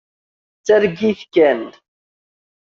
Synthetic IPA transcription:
t͡sːæɾɡiθkæn

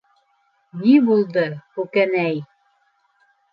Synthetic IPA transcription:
nibulˠd̪ɤhʉkænæj

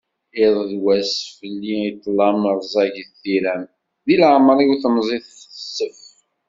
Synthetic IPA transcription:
ɪðˤðwæsfəlːiit̪ˤːlɑməɾˤzˤɑʝθθiɾæm | ðilaʕmɾˤiwθəmzˤiθθəsːəf

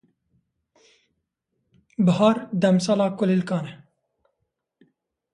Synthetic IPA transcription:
bɦaːɾd̪ɐmsalaːkulilkaːne

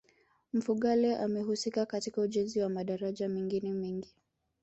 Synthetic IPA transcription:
m̩fuɠalɛʔamɛɦusikakatikauʄɛnziwamaɗaɾaʄamɛŋɡinɛmɛŋɡi

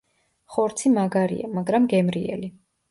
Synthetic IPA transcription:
χɔɾt̪sʰimaɡaɾḭa̰maɡɾamɡɛmɾiɛ̰li

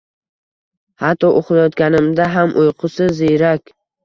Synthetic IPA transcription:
hat̪ʰːɒʔoqlˠajɒt̪kʲanɪmd̪aɦamʔojqʰʊsɪzejɾakʲ

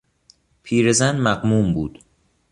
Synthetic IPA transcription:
pʰiːɾezænmæɢmuːmbuːd̪̥

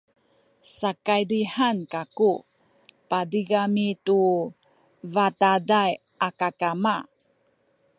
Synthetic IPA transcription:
sakajdihankaku | padiɡamitu | vatadaj | ʔakakama

